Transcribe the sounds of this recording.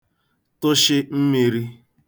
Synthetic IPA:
tʊ˦ʃɪ˦m̩˦mi˨ɾi˦

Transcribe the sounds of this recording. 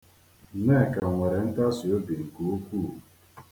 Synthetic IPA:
nɛ˦˨ka˨ŋʷɛ˨ɾe˨n̩˦ta˦si˨o˦bi˨ŋ̩˨ko˦kʷuː˦˨

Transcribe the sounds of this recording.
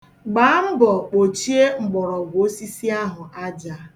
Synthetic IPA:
ɡ͡baː˨˦ŋ͡m̩˦bɔ˨k͡po˨t͡ʃi˦e˦ŋ͡m̩˨ɡ͡bɔ˨ɾɔ˨ɡʷo˦si˦si˦a˦ɦʊ˨ʔa˦d͡ʒa˨˦

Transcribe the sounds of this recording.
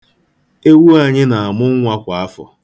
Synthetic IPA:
e˦wu˦a˨ɲɪ˦na˨a˨mʊ˦ŋ̩˦ŋʷa˦kʷa˨a˦fɔ̰˨

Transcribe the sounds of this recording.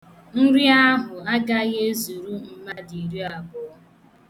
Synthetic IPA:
n̩˦ɾi˦a˦ɦʊ˨a˦ɡa˦ɣe˦zu˨ɾu˦m̩˦ma˦di˨ɾi˦a˨bʊ˦˨

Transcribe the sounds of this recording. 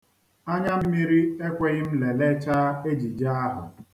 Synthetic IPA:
a˦ɲa˦m̩˦mi˦ɾi˦e˦kʷe˦ɣɪ˦m̩˦le˨le˦t͡ʃa˦e˦d͡ʒi˨d͡ʒa˦a˦ɦʊ̰˨

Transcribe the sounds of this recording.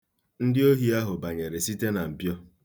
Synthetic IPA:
n̩˦dɪ˦o˦ɦi˦a˦ɦʊ˨ba˨ɲe˨ɾe˨si˦te˦na˨m̩˨bjɔ˦

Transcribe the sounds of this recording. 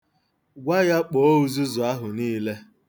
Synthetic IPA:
ɡʷa˦ja˦k͡po˨o˦u˨zu˦zʊ˨a˦ɦʊ˨niː˦le˦

